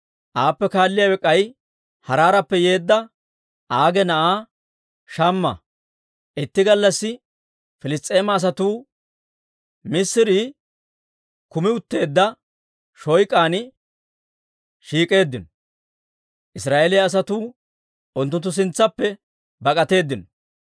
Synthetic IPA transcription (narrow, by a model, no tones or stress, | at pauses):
ʔaːpːɛkaːlːɪjaːwɛkʼːɐj | hɐɾaːɾɐpːɛje̞ːd̪ːɐ | ʔaːɡɛnɐʔaː | ʃɐmːɐ̰ | ʔɪt̪ːɪɡɐlːɐsːɪ | fɪlɪst̪ʼe̞ːmɐːs̬ɐt̪uː | mɪsːɪɾi | kʊmɪʊt̪ːe̞ːd̪ːɐ | ʃɔjkʼaːnɪ | ʃiːkʼe̞ːd̪ːɪnɔ | ʔɪsɾaːʔelɪjaːs̬ɐt̪uː | ʔʊnt̪̬ːʊnt̪ːʊs̬ɪnt͡sːɐpːɛ | bɐkʼɐt̪e̞ːd̪ːɪnɔ